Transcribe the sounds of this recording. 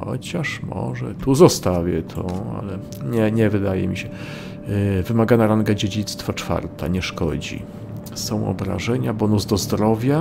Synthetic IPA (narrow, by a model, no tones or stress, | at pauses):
xɔ̰t͡ɕaʂmɔ̰ʐɛ̰t̪uzɔst̪avʲjɛt̪ʰɔa̰lɛ | ɲɛɲɛvɘd̪ajɛ̰mʲiɕɛ | vɘmaɡanaɾaŋɡad͡ʑed͡ʑit̪st̪fat͡ʂfa̰ɾt̪ʰa̰ɲɛʂkɔ̰d͡ʑḭ | sɔ̃w̃ʔɔ̰bɾa̰ʐɛɲabɔnuzd̪ɔzd̪ɾɔvʲja